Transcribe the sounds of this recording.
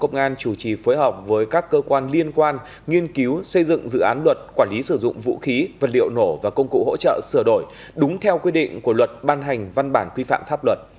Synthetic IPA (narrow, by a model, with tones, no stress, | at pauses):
kə˧wŋ͡mʔaː˧nt͡ɕu˧˩t͡ɕi˨˩fo˨˦jɦɔ˨˩wp̚vəː˨˦jkaː˦˥kːəː˧kwaː˧nli˧ənkwaː˧n | ŋi˧ənki˨˦wsə˧jzɨ̰˧˨ŋzɨ̰˧˨ʔaː˨˦nlwə˨˩t̚kwaː˧˩nli˨˦sɨ˧˩zʊ̰˧˨ŋ͡mvṵ˧˥xi˨˦və˨˩t̚nlḭ˧˨əwno˧˩vaː˨˩kə˧wŋ͡mkṵ˧˨ho̰˧˥t͡ɕə̰ː˧˨sɨ˧˩əɗo˧˩j | ɗʊ˨˦ŋ͡mt̪ʰɛ˧wkwi˧ɗḭ̈˧˨ŋ̟ku˧˩əlwə˨˩t̚ɓaː˧nɦa˨˩jŋ̟va˧nɓaː˧˩nkwi˧fa̰ː˧˨mfaː˦˥p̚lwə˨˩t̚